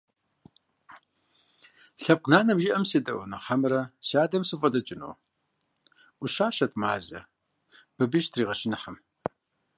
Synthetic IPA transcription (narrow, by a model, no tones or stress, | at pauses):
ɬɐb̚qnaːnɐmʒɪʔɐmsidɐwʊnɐħamɨɾɐɕaːdɐmsɨfʼɐdɐt͡ʃʼɪno̰ː | ʔʷʊʃaːʃɐtmaːzɐ̰ | b̥ɨbɨʒtʰriːʁɐʃɪnɨħɐm